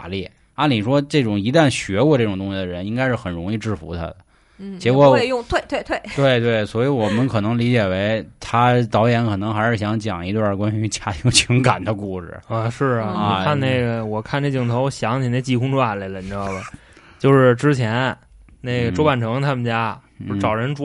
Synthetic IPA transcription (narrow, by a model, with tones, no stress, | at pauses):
a˧˥li˥˩ | na˥ni˨˩ʂwɔ˥ʈ͡ʂɤ˥˩ʈ͡ʂʊ˨˩ŋi˧˥t̪a˥˩nɕɥɛ˧˥kwɔ˥˧ʈ͡ʂɤ˥˩ʈ͡ʂŋt̪ʊ˥ŋɕi˧˩d̪ə˩ɻə˧˥ni˥ŋka˥ɪʂɻ̩˥˩xə˨˩nɻʊ˧˥ŋi˥˧ʈ͡ʂɻ̩˥˩fṵ˧˥t̪ʰa̰˥d̪ə˨˩ | t͡ɕɛ˧˥wɔ˧˥˧jʊ˥˧ŋt̪ʰwe˥˧t̪we˥˧ɪt̪ʰwe˥˩ɪt̪we˥˩ɪt̪̬we˥˩ɪswɔ˧˥i˧˥wɔ˨˩mə˦nkʰɤ˨˩nɤ˧˥ŋli˧˥t͡ɕjɛ˨˩we˧˥ɪt̪ʰa˥t̪ɑ˧˥ʊjɛ˧˥nkʰɤ˨˩nɤ˧˥ŋxa˧˥ɪʂɻ̩˥˩ɕjɑ˧˥ŋt͡ɕjɑ̰˨˩ŋi˧˥t̪wkwa˥ny˧˥t͡ɕja˥t̪ʰi˧˥ŋt͡ɕʰi˧˥ŋka˨˩nd̪ə˦ku˥˩ʂɻ̩̰˨˩ə˥˧ʂɻ̩˥˩ɔ˨˧kʰa˥˧nne˥˩ɪɡə˩wɔ˨˩kʰa˥˩nʈ͡ʂe˥˩t͡ɕi˧˥˩ŋt̪ʰo˧˥ʊɕjɑ˧˥ŋt͡ɕʰi˨˩ne˥˩ɪt͡ɕi˥˩kʰʊ˥ŋʈ͡ʂʰu˥a˧˩la˧˥lə˧˩ʈ͡ʂ̩˥˧˥ɑ˥˧˩ʊbə˩ | t͡ɕjo˥˧ʊʂɻ̩˥˩ʈ͡ʂɻ̩˥t͡ɕʰjɛ˧˥n | ne˥˩ɡə˩ʈ͡ʂo˥ʊpa˨˩nʈ͡ʂʰɤ˧˥ŋt̪ʰa˥mə˨nt͡ɕja˥˧ | ʈ͡ʂɑ˨˩ʊɻə˧˥nʈ͡ʂ